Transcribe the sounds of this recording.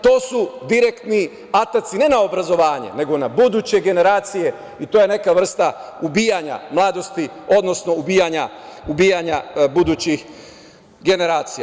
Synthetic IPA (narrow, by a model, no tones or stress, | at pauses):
t̪o̞ːsud̪iɾekt̪ni | at̪at̪sine̞naobɾazo̞ʋaːɲḛne̞ɡo̞nabud̪uːt͡ɕe̞ɡe̞ne̞ɾaːt̪sije̞ | it̪oje̞ne̞kaʋr̩st̪aubiːjaɲa̰mlˠaːd̪o̞st̪io̞d̪no̞sno̞ubiːjaɲaubiːjaɲabud̪uːt͡ɕix | ɡe̞ne̞ɾaːt̪sija